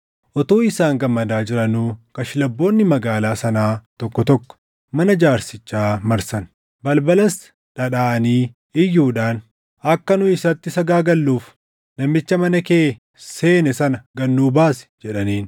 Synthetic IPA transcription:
ʔɔt̪oːɪsaːŋɡɐmːɐd̪aːd͡ʒɪɾɐnuːkɐʃɪlɐbːo̞ːnːɪmɐɡaːlaːsɐnaːt̪ɔkːɔt̪ɔkːɔ̥ | mɐnɐd͡ʒaːɾsɪt͡ʃːaːmɐɾsɐn | bɐlbɐlɐs | ᶑɐᶑaːʔɐniː | ɪjːuːᶑaːn | ɐkːɐnʊɪsɐt̪ːɪsɐɡaːɡɐlːuːf | nɐmːɪt͡ʃːɐmɐnɐkeː | se̞ːnɛsɐnɐɡɐnːuːbaːsɛ̥d͡ʒɛᶑɐniːn

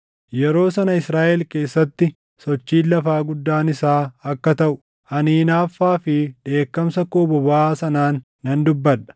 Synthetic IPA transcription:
jɛɾo̞ːsɐnɐɪsɾaːʔɛlke̞ːsːɐt̪ːɪ | sɔt͡ʃːiːlːɐfaːɡʊd̪ːaːnɪsaːɐkːɐt̪ɐʔʊ | ʔɐniːnaːfːaːfɪᶑe̞ːkːɐmsɐkoːbɔbaːsɐnaːnː | ɐnd̪ʊbːɐᶑɐ̥

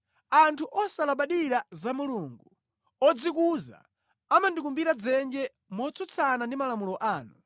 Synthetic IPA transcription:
antʰuʔɔsalaɓaɗiɾazamuluŋɡu | ɔd͡zikuza̰ | amandik̬umbiɾad͡zɛnd͡ʒɛ | mɔt͡sʰɔt͡sʰanandimalamulɔʔaːnu

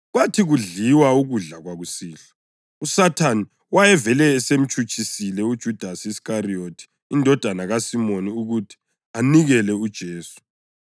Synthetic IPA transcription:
ɣwatʰiɣuɮiwauɣuɮaɣwaɣusiːɬḁ | usatʰani | wajɛvɛlɛːsem̩t͡ʃʼut͡ʃʰʼisilɛud̥ʒ̥ʱud̥ʱasiskariotʰi̥ | indʱɔd̥ʱanaɣasimoniuɣutʰi̥ | aniɣɛlɛud̥ʒ̥ʱeːsu̥

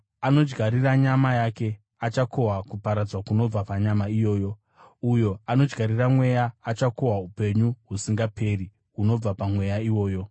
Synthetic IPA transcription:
ano̞d͡ʒɡʱaɾiraɲamajake̞ | at͡ʃako̞ɦakupaɾad͡zwakuno̞b͡vapaɲamaijo̞ːjo̞ | ujo̞ano̞d͡ʒɡʱaɾiramwe̞jaːt͡ʃako̞ɦaupe̞ɲuɦusiŋɡapʰe̞ːri | ɦuno̞b͡vapamwe̞jaiwo̞ːjo̞

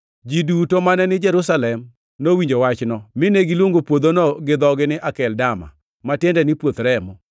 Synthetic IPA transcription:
d͡ʒidutomanɛnɪd͡ʒɛɾusalɛm | nowiɲd͡ʒowat͡ʃnɔmɪneɡilwoŋɡopwod̪onɔɡɪd̪ɔɡɪnɪʔakɛldama̰ | matjendɛnɪpwot̪ɾɛmɔ

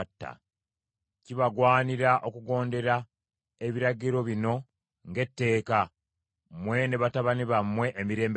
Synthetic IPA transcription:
tːa̰ | ciβaɡwaːniɾaʔo̞kuɡo̞ːnde̞ɾa | eβiɾaɟiɾo̞βino̞ | ŋɡe̞tːe̞ːka | mwe̞ne̞βataβaniβamːwe̞ʔːmiɾe̞ːmb

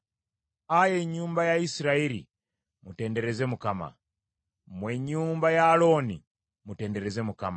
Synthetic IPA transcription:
ajɛɲumbajaisiɾaɛlḭ | mutɛndɛɾɛzɛmukama̰ | mwɛɲumbajaːlɔni | mutɛndɛɾɛzɛmukama

